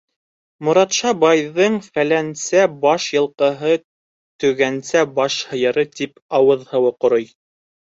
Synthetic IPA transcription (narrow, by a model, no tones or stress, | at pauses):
mŏɾɑt̪ʃɑbɑjðɤɴfælænsæbɑʃjɤ̆lˠqɤ̆ɦɤ | t̪ɵ̆ɡænsæbɑʃhɤ̆jɤ̆ɾɤt̪ipɑwɤðhɤ̆wɤqŏɾoj